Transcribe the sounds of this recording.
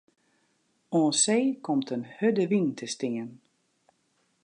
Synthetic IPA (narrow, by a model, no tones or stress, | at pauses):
ɔːnseːkʰɔmtʰənhødəʋintʰəstɪən